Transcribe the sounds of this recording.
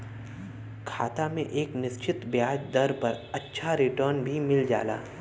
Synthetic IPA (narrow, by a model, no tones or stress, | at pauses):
kʰa̰ːt̪amẽʔeːknɪst͡ʃɪt̪bjaːd͡ʒd̪ɐɾpɐɾɐtːʃʰaɾɪʈəɾnbʱimɪld͡ʒa̰ːla̰ː